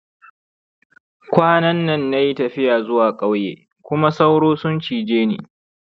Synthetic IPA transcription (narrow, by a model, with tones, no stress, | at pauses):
kʷaː˦nɐ˦nːɐ˦nːa˦ji˦tɐ˨ɸɪ˦jaː˨zʊ˦waː˨kʼa˦wjḛː˨ | kʷʊ˦ma˦sa˦wɽoː˦sʊ˦nt͡ʃiː˨d͡ʒeː˦nḭː˨